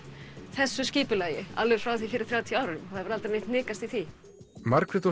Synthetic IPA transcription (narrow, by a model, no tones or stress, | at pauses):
θɛsːʏsciːpʏlaːjɪa̰lʏ̥fɾawθifɪɾɪ̥ɾ̥θɾjaːwt̪ʰjaːwɾʏmθaðvɪɾalt̪anejht̪nɪːkast̪iθi | maɾkʰɾɛt̪o